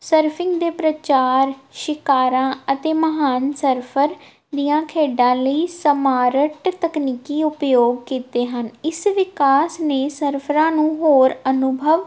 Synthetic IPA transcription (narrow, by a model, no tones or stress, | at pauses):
səɾpʰɪ̃ŋɡd̪eːpɾət͡ʃaːɾʃɪkaːɾãːət̪eːməɦaːnsəɾpʰəɾ | d̪ijãːkʰeːɖãːləiːsəmaːɾəʈt̪əkniːkiːʊpjoːɡ̚kiːt̪eːɦənɪsʋɪkaːsneːsəɾpʰɾãːnũːɦoːɾənʊbʱəʋ